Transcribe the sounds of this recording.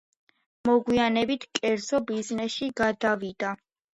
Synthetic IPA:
mɔɡwianɛbit̪ʰkʼɛɾzɔbiznɛsʃiɡad̪avid̪a

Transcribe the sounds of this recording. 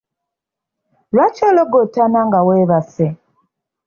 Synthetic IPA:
lwat͡ʃoloɡotanaŋɡaweːβase

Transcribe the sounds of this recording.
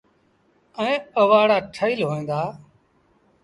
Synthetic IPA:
əẽːəʋaːɽaːʈʰəiːlɦoːẽːnd̪aː

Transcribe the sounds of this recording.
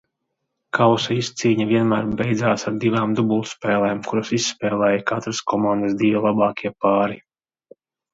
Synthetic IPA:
kawsaist̪siːɲavʲiɛnmæːɾbɛjd̪zaːsaɾd̪ivaːmd̪ubulˠt̪spɛːlˠɛːmkuɾasisːpɛːlˠɛːjɐkat̪ɾaskɔmand̪əsd̪ivɛlˠabɑːkʲʰiɛpaːɾi

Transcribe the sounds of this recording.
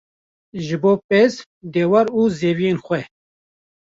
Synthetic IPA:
ʒɨboːpez | d̪eːwaɾuːzeːvijeːnxʷɛ

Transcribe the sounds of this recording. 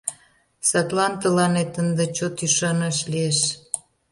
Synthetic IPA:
sɑt̪lɑnt̪əlɑnet̪ənd̪et͡ɕot̪yʃɑnɑʃlieʃ

